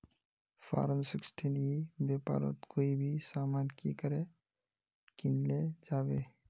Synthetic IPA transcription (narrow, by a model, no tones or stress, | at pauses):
fʰa̰ːɾənsɪksʈʰinibjaːpa̰ːɾo̰t̪koːibʱisaːmaːnkikəɾe | kɪnled͡ʒaːʋeː